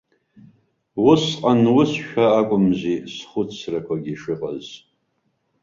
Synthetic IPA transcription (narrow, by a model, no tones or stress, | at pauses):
wʊsqʼanwʊsʃᶣaːkʷʼʊmzisχʊt͡sʰrakʷʰaɡʲiʂɨqʼa̰z